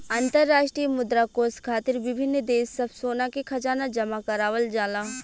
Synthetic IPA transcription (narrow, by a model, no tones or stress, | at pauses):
ãːnt̪əɾːaːʃʈɾijəmʊd̪ɾakoːskʰaːt̪ɪɾʋɪbʱɪnːd̪eːsːɐbsoːnakekʰɐd͡ʒaːnad͡ʒɐmakɐɾaːʋəld͡ʒaːlaː